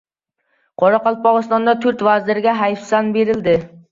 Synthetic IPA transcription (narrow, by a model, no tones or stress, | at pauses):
qʰɑɾɑqɑlˠp̚ɑʁɨst̪ɑnd̪ɑt̪ʰyɾt̪væzlɪɾɡʲɛɦæjfsɑnbeɾɪld̪ɪ